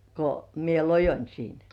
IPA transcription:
ko mie lojonʲ siːn

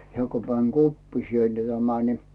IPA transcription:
hĕæˑ ku mæn kopːisielːe tæmæ ni

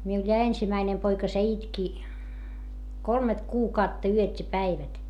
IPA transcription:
miul jɑ ensimæinem poikɑ se itki kolmet kuːkɑutːɑ yøtʲ jɑ pæiʋæt

